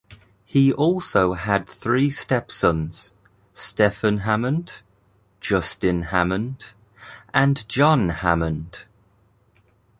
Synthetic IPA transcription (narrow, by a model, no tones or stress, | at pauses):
hiʔɔˑlˠsoʊəd̪̚θɹiːstɛpsʌ̃nz̥ | stɛfə̃nɦamə̃nd̥ | d͡ʒʌstɪ̃nhamə̃nd̥ | ʔə̃nd͡ʒɒ̃nha̰mə̃nd̥